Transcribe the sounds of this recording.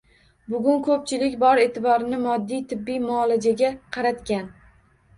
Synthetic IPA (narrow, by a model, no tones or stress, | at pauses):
bʊɡʲʊnkʰɵp̚t͡ʃʰɪlɪkʲbɒɾe̞ːt̪ʰɪbɒɾɪnɪmɒd̪ːijt̪ʰɪbːijmʊːlad͡ʒaɡʲaqʰɑɾat̪kʲan